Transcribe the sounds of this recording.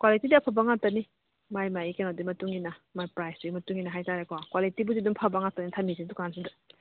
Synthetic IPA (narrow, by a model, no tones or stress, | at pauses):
kwalitidɐpʰɐbaŋap̚tɐni | majmajikenadimɐtuŋɡinɐmajpɾajsduimɐtuŋɡinɐɦajtaɾekwakwalitibudidumpʰɐbaŋap̚tanitʰɐmisidukansida